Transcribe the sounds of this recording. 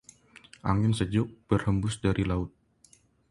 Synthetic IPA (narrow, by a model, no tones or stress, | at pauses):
ʔa̰ŋɪnsəd͡ʒʊʔ̚b̥ərhəmbʊsdaɾilaʊt̪̚